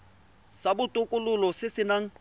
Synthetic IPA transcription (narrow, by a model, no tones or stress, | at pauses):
sabʊtʼʊkʼʊlʊlɔsɪsɪnaŋ̩